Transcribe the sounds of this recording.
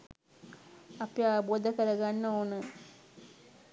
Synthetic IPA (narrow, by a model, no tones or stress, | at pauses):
apjaːboːd̪əkəɾɐɡanːəonə